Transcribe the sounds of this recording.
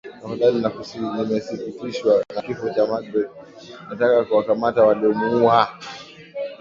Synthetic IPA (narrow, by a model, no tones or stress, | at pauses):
nahaɗalinanimɛsifitiʃwanakifɔt͡ʃamaɡɾɛt | natakakuwakamatawaliɔmuua